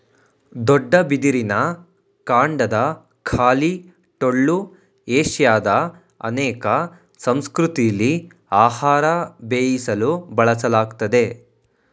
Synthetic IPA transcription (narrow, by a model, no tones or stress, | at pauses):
d̪ɔɖːɐbid̪iɾinɐ | kaːɳɖɐd̪ɐ | kʰaːli | ʈoɭːu | eːʃjaːd̪ɐ | ɐ̰nɛːkɐ | sɐmskɾut̪ijɐlːi | aːhaːɾɐbeːjisɐlubɐɭɐsɐlaːɡt̪ɐd̪e̞